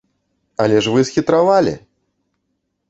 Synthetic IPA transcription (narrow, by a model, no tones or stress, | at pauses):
ɐlʲɛʂvɨsxʲit̪ɾavalʲḭ